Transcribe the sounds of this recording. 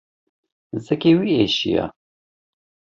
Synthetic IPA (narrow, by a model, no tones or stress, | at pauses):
zɛkeːwieːʃḭjɑ̰ː